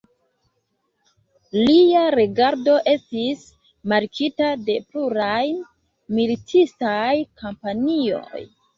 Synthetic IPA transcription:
liaɾeɡaɾdo̞ʔe̞stis | maɾkʰitade̞pluɾaj | militʰistajkʰompanio̞̰j

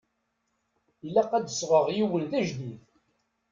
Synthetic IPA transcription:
ilːæqːæd̪əsʁəʁjiwəlθæʒd̪iθ

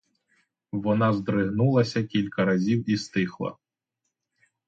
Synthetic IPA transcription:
ʋɔnɑzd̪ɾɪɦnulˠɐsʲɐkʲilʲkɐɾɐzʲiwist̪ɪxlˠɐ̰

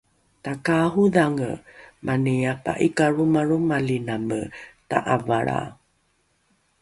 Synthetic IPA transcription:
takaɦuðaŋə̰mʔaniapa̰ʔikaɾumaɾumalinaməta̰ʔavaɭa̰

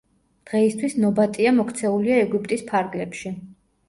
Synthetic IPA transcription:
d̪̥ʁɛist̪ʰwisnɔbat̪ʼiamɔkʰt̪sʰɛuliaɛɡup̚ʰʼt̪ʼispʰaɾɡlɛpʃi

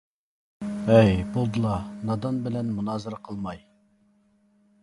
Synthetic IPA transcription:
ɛjbulˠd̪ɨlˠɑnɑd̪ɑnbɪlɛnmunɑːzɨɾɑqʰəlˠmɑj

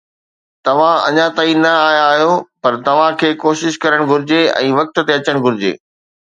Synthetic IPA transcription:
t̪ɐʋ̤ãɐ̰ɲãt̪aːinɐaːjaːɦjopɐɾt̪ɐʋ̤ãkʰeːkoːʃɪʃkɐɾəɽ̃ɡʱʊɾɪd͡ʑeɛ̰̃ːʋɐk̚t̪̆t̪eɐt͡ɕəɽ̃ɡʱʊɾɪd͡ʑḛː

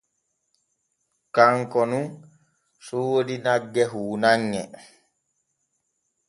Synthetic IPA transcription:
kaŋkɔnun | suwodinaɡːɛɦuːnaŋːɛ

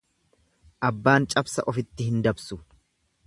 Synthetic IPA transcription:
ʔɐbːaːnt͡ʃʼɐbsɐʔɔfɪt̪ːɪhɪnd̪ɐbsʊ

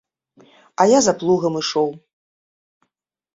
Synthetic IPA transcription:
ajazaplˠuɣɐmɨʂɔw

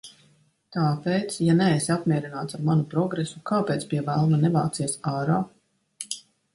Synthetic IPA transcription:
t̪aːpeːt̪sjanɛesiapmʲiɛɾinaːt̪saɾmanupɾɔɡɾesukaːpeːt̪spiɛvælˠmanɛva̰ːt̪siɛsaːɾaː

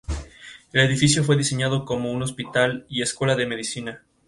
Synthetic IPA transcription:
e̞le̞ðifis̬jo̞fwe̞ðise̞ɲaðo̞ko̞mo̞uno̞spit̪alie̞skwe̞laðe̞me̞ðisina

